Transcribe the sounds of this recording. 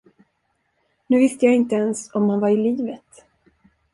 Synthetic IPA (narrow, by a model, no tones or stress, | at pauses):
nʉ̟ːvɪst̪əjaːɡɪnt̪əɛnsɔmhanvaɾɪliːvət̪